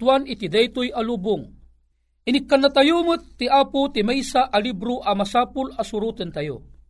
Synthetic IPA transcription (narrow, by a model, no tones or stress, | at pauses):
wanit̪id̪ɛjt̪ujalubʊŋ | inikːanːat̪ajumət̪ːiʔaːput̪imɛjsaʔːlibɾuʔamasaːpulasuɾut̪ənt̪ajo̰